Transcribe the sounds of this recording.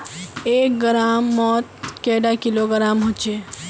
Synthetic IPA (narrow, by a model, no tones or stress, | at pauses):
eːk̚ɡɾamːɔːt̪̚keɖakiloɡəɾaːmɦot͡ʃʰe